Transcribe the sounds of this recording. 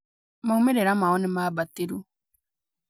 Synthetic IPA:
maumeɾeɾamaɔnemaːbatiɾu

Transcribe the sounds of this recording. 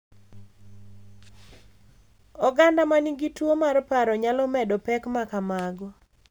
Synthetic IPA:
ɔɡandamaniɡitwomarpaɾɔɲalɔmɛdɔpɛkmakamaɡɔ

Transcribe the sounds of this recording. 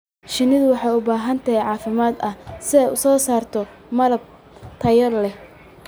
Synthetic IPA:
ʃɪnɪðʊwɑħɑjʊbaːɦɐnt̪ʰɐɦɛjʕɑːfɪmaːd̪ɐhsɪɛjʊsɔːsaːrt̪ʰɔ | mɐlɐb̚ | t̪ʰɐjɐlɛ

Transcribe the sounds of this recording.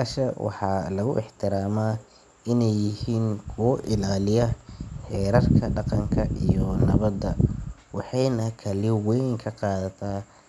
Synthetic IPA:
aʃɐwɑ̰ħɑlɐɣʊ̰ʔɪħt̪ʰɪɾaːma | ɪnɛjːɪhiːŋkʰʊwɔʔɪlaːlɪjɐħɛːɾɐrkʰɐɖɑqɑŋkʰɐʔijɔnɐβɐd̪ɐwɑħɑjnɐkʰɐlɪwɛjŋkʰɐqɑːðɐt̪ʰaː

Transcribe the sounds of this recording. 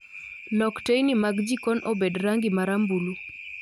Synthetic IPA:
nɔktejnimaɡd͡ʒikɔnʔobedɾaŋɡɪmaɾambulu

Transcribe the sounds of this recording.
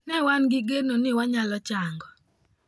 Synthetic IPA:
nɛwanɡɪɡenonɪwaɲalɔt͡ʃaŋɡɔ

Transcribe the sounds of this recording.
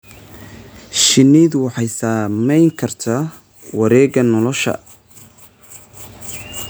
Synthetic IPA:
ʃɪniːd̪wɑħɑjsaːmɛjŋkʰɐrt̪ʰa | wɑɾɛːɡɐnɔlɔʃɐ̰

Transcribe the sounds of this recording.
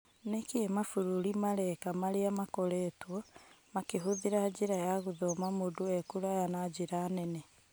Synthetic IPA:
nekiemafuɾuɾimaɾɛkamaɾeamakɔɾɛtwɔmakeɦuðiɾad͡ʑiɾajaɣuðɔmamoduɛkuɾajanad͡ʑiɾaːnɛnɛ

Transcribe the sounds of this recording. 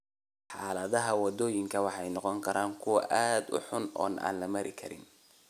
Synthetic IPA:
ħɑːlɐðɐɦɐwɑd̪ɔːjɪŋkʰɐwɑħɑjnɔqɔŋkʰɐɾʔaːŋkʰʊwɑ̰ʔaːd̪ʊ̰ħʊnɔ̰ːnʔa̰ːnlɐmɐɾʔɪkʰɐɾɪ̰n

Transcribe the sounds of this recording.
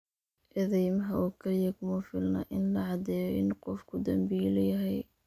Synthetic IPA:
ʔɛðɛjmɐɦɐʔuːkʰɐlɪjɐkʰʊmɐfɪlnɐ̰ʔɪnlɐʕɑd̪ɛːjɔʔɪnqɔfkʰʊd̪ɐmbijlɛjɐɦɛj

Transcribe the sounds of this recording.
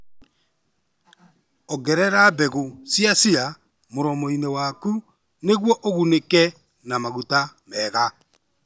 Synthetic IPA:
ɔɣɛɾɛɾabɛɣosjasia | moɾɔmɔinewaku | neɣwɔʔoɣunekɛ | namaɣutamɛɣa

